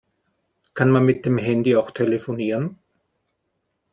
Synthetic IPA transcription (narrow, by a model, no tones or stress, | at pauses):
kʰanmanmɪt̚d̥eːmɦɛndiaʊxtʰeləfoniːʁən